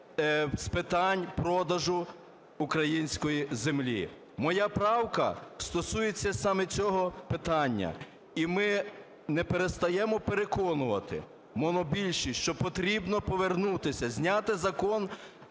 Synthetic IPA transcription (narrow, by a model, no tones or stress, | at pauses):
spɪt̪ɑnʲpɾɔd̪ɐʒʊ | ʊkɾɐjinʲsʲkɔjizemlʲḭ | mɔjapɾɑwkɐ̰st̪ɔsujet͡sʲːɐsɑmɛt͡sʲɔɦɔpɪt̪ɑnʲːɐ̰ | imɪ | nɛpeɾest̪ɐjɛmɔpeɾekɔnʊʋɐt̪ɪ̰ | mɔnɔbʲilʲʃiʃt͡ʃɔpɔt̪ɾʲibnɔpɔʋernut̪ɪsʲɐzʲnʲat̪ɪzɐkɔn